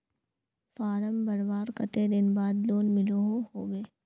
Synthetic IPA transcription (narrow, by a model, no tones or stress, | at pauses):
faːɾəmbɐɾbaːɾkɐt̪ed̪ɪnbaːd̪loːnmɪloɦohoːʋeː